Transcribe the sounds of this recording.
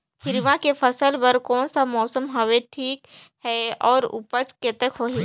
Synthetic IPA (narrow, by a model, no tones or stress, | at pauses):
hɪɾʋãkefʰɐsəlpɐɾkɔːnsamɔːsəmɦɐʋeʈʰiːkɦɛɔːɾʊ̰pət͡ʃket̪əkɦoːɦeː